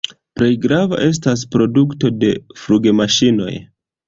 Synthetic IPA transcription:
pɾe̞jɡɾava̰ʔe̞s̬tas̬pɾo̞dukto̞de̞fɾuɡe̞maʃino̞̰j

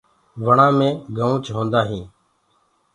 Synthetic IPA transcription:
ʋəɳãːmẽːɡʱəːũːt͡ʃɦõːnd̪aːɦĩː

